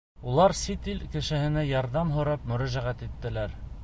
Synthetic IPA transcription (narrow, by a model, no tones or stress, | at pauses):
ulˠɑɾsit̪ilkɘ̆ʃɘ̆hɘ̆næjɑɾðɑmɦŏɾɑpmɵ̆ɾæʒæʁæt̪it̪ːɘ̆læɾ